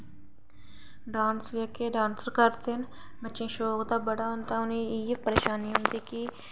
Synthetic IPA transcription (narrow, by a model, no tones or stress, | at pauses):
ɖaːnsd͡ʒekeːɖãːnsəɾkəɾt̪ʰɪn | bət͡ʃẽːʃoːkd̪aːbəɽaːɦʊnt̪aːʊniɪːpəɾeːʃaːniːɦʊ̃nd̪iːki